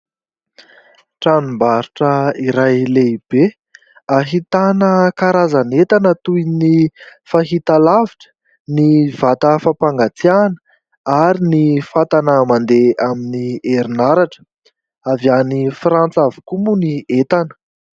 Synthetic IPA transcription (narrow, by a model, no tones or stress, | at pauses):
ʈ͡ʂanimbaɾuʈ͡ʂəiɾajleb̥e | aɦit̪anəkaɾazanet̪anət̪ujnifaɦit̪alaviʈ͡ʂə̥ | nivat̪əfapaŋɡat͡sianə̥ | aɾinifat̪anəmand̪eaminieɾinaɾaʈ͡ʂə̥ | avjanifrant͡savu̥kumuniet̪anə̥